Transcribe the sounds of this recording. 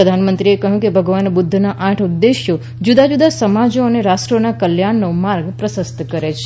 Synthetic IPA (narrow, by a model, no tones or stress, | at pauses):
əd̪ʱanmənt̪ɾiekəɦũkebʱəɡʋanbʊd̪ʱːnaʔãʈʰud̪ːeʃjo | d͡ʒud̪ad͡ʒud̪asəmad͡ʒoəneɾasʈɾonakəljaɳːomaɾɡpɾəsəst̪kəɾet͡ʃʰe̥